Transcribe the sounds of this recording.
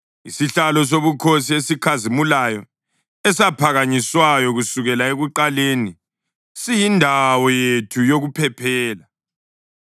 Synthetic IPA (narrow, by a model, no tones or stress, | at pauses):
isiɬalɔs̬oβukʰosiesikʰazimulajɔ | ɛsapʰaɣaɲiswajɔɣusuɣɛlaeɣuǃaleni | sijindʱawɔjetʰujoɣupʰɛpʰɛːla